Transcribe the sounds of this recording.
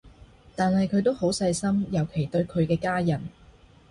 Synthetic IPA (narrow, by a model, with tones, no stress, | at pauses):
t̪aː˨nhɐ˨jkʰɵ˨˧ɥt̪o˥who˨˥wsɐ˧jsɐ˥mjɐ˨˩wkʰe˨˩jt̪ɵ˧ɥkʰɵ˨˧ɥkɛː˧kaː˥jɐ˨˩n